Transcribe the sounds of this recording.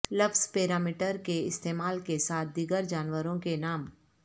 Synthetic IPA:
lɐbzpeːɾaːmɪʈəɾkeɪst̪eːmaːlkesaːt̪̚ʰd̪iɡəɾd͡ʒaːnwəɾõkenaːm

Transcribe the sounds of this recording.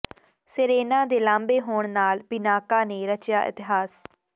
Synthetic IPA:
sɪɾeːnãːd̪eːlãːmbeːɦoːɳnaːlbɪnaːkaːneːɾət͡ʃjaːʔɪ̰t̪ɪɦaːs

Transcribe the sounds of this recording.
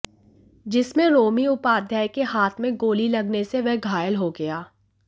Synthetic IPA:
d͡ʒɪsmẽɾoːmiʊpaːd̪ʱjaːjkehaːt̪ʰmẽɡoːlilɐɡneseʋɛɦɡʱaːjəlɦoɡɐjaː

